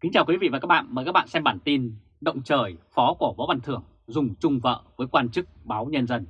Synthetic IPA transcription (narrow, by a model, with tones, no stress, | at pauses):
ki˨˦ŋt͡ɕaː˨˩wkwi˨˦vḭ˧˨vaː˨˩aː˦˥ɓa̰ː˧˨nməː˨˩jkaː˦˥kɓa̰ː˧˨sɛ˧mɓaː˧˩nt̪i˧n | ɗə̰˧˨wŋ͡mt͡ɕəː˨˩jfɔ˨˦ku˧˩vɔ˨˦ɓa˨˩nt̪ʰɨ˨˧˩əŋ | zʊ˨˩ŋ͡mt͡ɕʊ˧ŋ͡mvə̰ː˧˨vəː˨˦jkwaː˧nt͡ɕɨ˦˥k̚ɓaː˨˦wɲə˧nzə˧n